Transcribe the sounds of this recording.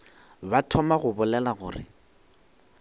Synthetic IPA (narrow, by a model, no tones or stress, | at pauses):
batʰɔmaɣʊbʊlɛlaɣʊːrɪ̰